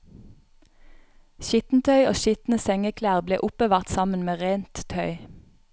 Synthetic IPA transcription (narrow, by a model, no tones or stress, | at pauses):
ʃɪt̪n̩t̪ʰœʏoːʃʏt̪n̩əsɛŋəkʰlæːʁblḛːʔʊpəʋɑːʁt̪sɑmənmeːʁeːnt̪t̪ʰœʏ